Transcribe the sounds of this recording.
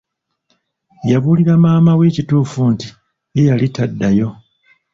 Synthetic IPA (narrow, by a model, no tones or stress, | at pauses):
jaβuːliɾamaːmaweːcituːfunti | jejalitadːajo̞